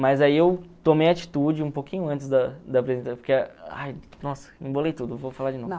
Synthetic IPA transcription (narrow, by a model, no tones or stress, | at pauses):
mɐjzaiewt̪omejɐat͡ʃi̥t̪ud͡ʒɪũpokʰĩɲʊɐ̃nt͡ʃɪzd̪ɐd̪ɐːpɾezẽnt̪apoɾkea̰jnɔsɐ̥ĩbolejt̪ud̪ʊvofalaɾd͡ʒɪnovn